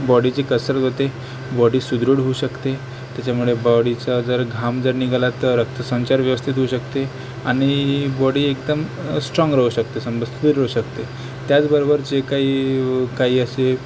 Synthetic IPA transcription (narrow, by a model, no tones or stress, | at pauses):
bɔɽit͡ɕekəsɾət̪ɦot̪e | bɔɽiːsud̪ɾuɽ̤ɦouɕəkt̪e | t̪jat͡ɕamuɭebɔɽit͡sad͡zəɾɡʱamd͡zəɾniɡalat̪əɾək̚t̪ʰəsə̃nt͡ɕaɾʋjəʋəst̪ʰit̪ɦouɕəkt̪e | aɽ̃ibɔɽiːekd̪əmsʈɾɔ̃ŋɡɾəɦuɕək̚t̪esəmbəst̪ʰut̪iɾːəɦuɕəkt̪e | t̪jat͡sbəɾobəɾt͡ɕekaiːkaɦiːəse